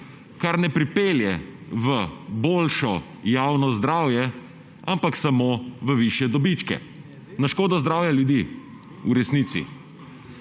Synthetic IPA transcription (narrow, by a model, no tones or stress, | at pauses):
kaɾnɛpɾipeːljɛʋəboːlʃɔ | jaːwnɔzd̪ɾaːwjɛ | ampaksamoʋəʋiʃjɛd̪ɔbit͡ʃkɛ̰ | naʃkoːd̪ɔzd̪ɾaːwjaljud̪iː | uɾɛsniːt̪sḭ